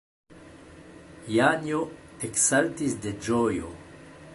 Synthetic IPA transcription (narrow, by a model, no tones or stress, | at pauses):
janjot̪eksalt̪isd̪ed͡ʒojo̰